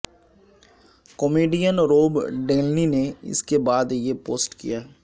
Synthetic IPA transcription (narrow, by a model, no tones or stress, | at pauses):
komeːɖijənɾoːbɖeːlnineɪ̰skebaːd̪jepoːsʈkḭjaːɦ